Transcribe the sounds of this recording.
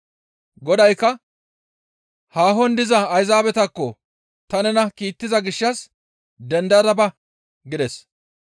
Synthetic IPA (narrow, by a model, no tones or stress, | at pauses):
ɡɔd̪ɐjkːɐ | haːɦɔnd̪ɪzɐːjzaːbɛt̪ɐkːɔ | t̪ɐnɛnɐkiːt̪ːɪzɐɡɪʃːɐs | d̪ɛnd̪ɐd̪ɐbɐ | ɡɪd̪ɛs